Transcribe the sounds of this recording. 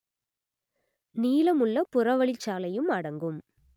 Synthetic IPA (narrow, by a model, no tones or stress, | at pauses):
niːlɐmɯɭːɐpʊrɐʋɐɭɪt͡ʃːaːlɐjɯmɐɽɐŋɡɯm